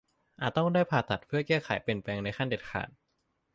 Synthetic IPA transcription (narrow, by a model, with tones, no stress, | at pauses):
ʔaː˨˩t̪̚t̪ɔ˥˩ŋdaː˥˩jpʰaː˧t̪ʰa˨˩t̪̚pʰɯ˥˩ɐəkɛː˥˩xʰa̰˩˦jpi˨˩ənpɛː˧ŋna˧jxʰa˥˩nde˨˩t̪̚kʰa̰ː˨˩˦t̪̚